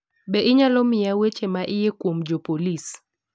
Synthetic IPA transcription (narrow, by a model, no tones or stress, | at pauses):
bɛʔɪɲalɔmɪawet͡ʃemaʔɪjekwomd͡ʒopolis